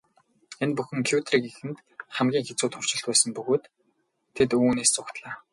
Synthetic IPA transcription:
enpuxɘ̆ŋkʰjut̪ʰriːkexɘ̆nt̪ | χæmɡʲiːŋxet͡suːt̪χʊr̥t͡ɕɪ̆ɬt̪pæːsə̆mpɵɣoːt̪ʰː | et̪uːneːst͡sʰʊkt̪ɮaː

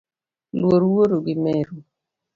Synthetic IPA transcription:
lwoɾwoɾoɡimɛɾu

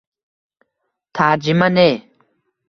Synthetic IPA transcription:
t̪ʰaːɾd͡ʑimɐneː

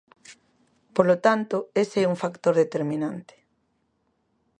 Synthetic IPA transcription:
polot̪ant̪ʊeseɛuŋfakt̪oɾðet̪eɾmĩnant̪e̥

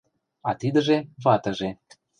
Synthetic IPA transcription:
ɑt̪id̪ə̆ʒeβɑt̪ə̆ʒe

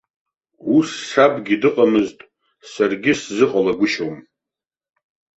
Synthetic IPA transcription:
wusːabɡʲidɨqʼamɨztʼ | sarɡʲɪszɨχʼalaɡʷʊʃom

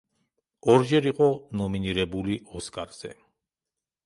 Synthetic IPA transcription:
ɔɾd͡ʒɛɾiqʼɔnɔminiɾɛbuliɔskʼaɾz̥ɛ̰

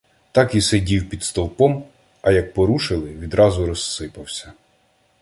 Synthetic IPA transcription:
t̪ɑkisedʲiwpʲid̪st̪ɔlˠpɔm | ɐjɐk̚pɔɾuʃɪlˠɪʋʲid̪ɾɑzʊɾɔsːɪpɐwsʲɐ

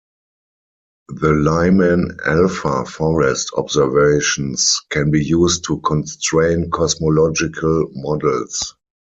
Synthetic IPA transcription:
ðəlaɪmə̃nɛ̰lfafɔɹɛstʰɔ̰bzəveɪʃɔ̃nskʰɛ̃nbiːjuːstʰːukʰɔ̃nstɹẽɪ̃nkʰɔsmɔlɔd͡ʒɪkʰəlmɔdəls

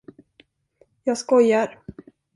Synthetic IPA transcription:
jɑːɡskɔjːaɾ

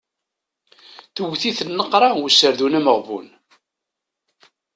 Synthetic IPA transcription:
θəwθiθənːəqːɾˤɑwusəɾðunæməʁvṵn

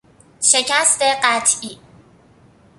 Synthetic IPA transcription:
ʃecʰæst̪eɢæt̪ʰʔi

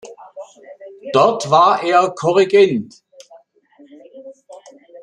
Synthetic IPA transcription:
d̥ɔɐtv̥aːɐʔeːɐkʰɔʁiɡɛnt

